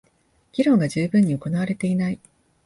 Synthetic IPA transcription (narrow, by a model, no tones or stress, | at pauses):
ɡ̥ʲiɾõ̞ŋɡad͡ʑɨːbɯ̟̃ɲ̟ːioko̞naβ̞aɾe̞t̪e̞inai